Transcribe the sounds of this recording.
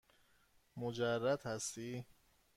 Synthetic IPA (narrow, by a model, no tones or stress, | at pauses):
mod͡ʒærːæd̪hæst̪iː